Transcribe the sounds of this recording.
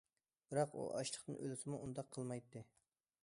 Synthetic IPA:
b̥ɪɾɑqṵʔɑ̰ʃlˠə̥χt̪ɨnʔølɪsɪmuund̪ɑqʰːəlˠmɑjt̪ʰːɨ

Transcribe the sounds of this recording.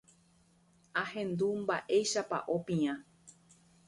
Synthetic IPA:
ahẽ̞nd̪umba̰ʔe̞jʃapa̰ʔopĩã

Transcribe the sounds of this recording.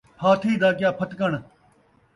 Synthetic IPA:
haːt̪ʰiːd̪aːkɪjaːpʰət̪kəɳ

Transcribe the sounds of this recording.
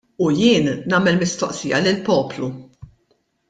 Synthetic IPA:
ujɪːnːɐːmɛlmɪst̪ɔʔsijɐlɪlpɔːplu

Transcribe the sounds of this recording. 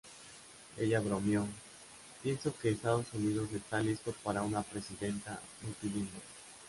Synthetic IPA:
e̞̰ʝaβɾomjo | pje̞nso̞ke̞ːst̪aðo̞sunið̞o̞se̞st̪alist̪o̞paɾaunapɾe̞siðe̞nt̪a̰ | mut̪iline

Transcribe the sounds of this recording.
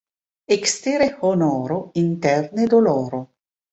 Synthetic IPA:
ekst̪eːɾehonɔːɾoint̪ɛrned̪olɔːɾo

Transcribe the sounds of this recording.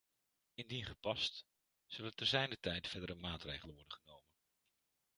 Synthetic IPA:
ɪndinχəpɑst | z̥ɵlətɛɹzɛjndətɛjtfɛdəɾəmaːtrejχələnʋɔɹdəχənowmən

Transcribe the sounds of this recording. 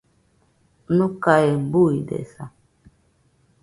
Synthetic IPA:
nukaembuidɛ̰sa

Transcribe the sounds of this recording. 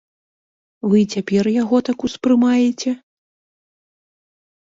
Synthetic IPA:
vɨt͡sʲapʲɛrjaɣɔt̪akuspɾɨmajɛt͡sʲɛ

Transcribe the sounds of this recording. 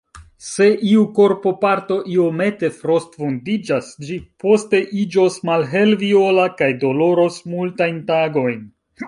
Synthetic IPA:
se̞ʔiuko̞ɾpo̞paɾto̞ʔio̞me̞te̞fɾo̞stfondid͡ʒasd͡ʒipo̞ste̞ʔid͡ʒo̞smalɦe̞lvio̞lakajdo̞lo̞ɾo̞smultajntaɡo̞jn

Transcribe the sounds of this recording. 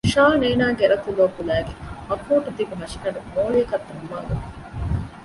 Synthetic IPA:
ʃaːneːnaːɡeɾɐt̪uloʋːkulæːɡemɐkuːʈut̪ibuɦɐʃinɐɾumoːlijɐkɐt̪ːɐmːa̰ːɡɐ

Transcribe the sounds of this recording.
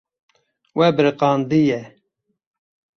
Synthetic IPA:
wɛbɨɾqɑːnd̪ijɛ

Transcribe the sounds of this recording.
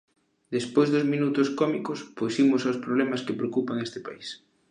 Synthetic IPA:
d̪espojzðʊzmĩnut̪ʊskɔmikospojsimʊsawspɾoβlɛmaskepɾeokupaŋest̪ɪpais

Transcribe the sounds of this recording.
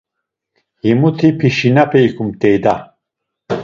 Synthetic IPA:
himut̪ʰipʰiʃinɐpʰejkʰumt̪ejd̪a

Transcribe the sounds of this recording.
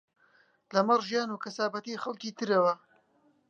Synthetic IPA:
lɐmɐrʒjaːnuːkɐsaːbɐt̪iːxɐlkiːt̪ʰɨɾɐwɐ

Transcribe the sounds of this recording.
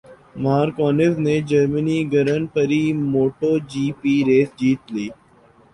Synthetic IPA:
maːɾkɔːnɪzneːd͡ʒəɾməniːɡʱəɾənpəɾiːmoːʈoːd͡ʒiːpiːɾeːsd͡ʒiːt̪liː

